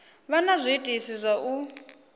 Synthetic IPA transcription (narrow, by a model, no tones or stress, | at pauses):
βanazʷitʼisizʷaʔu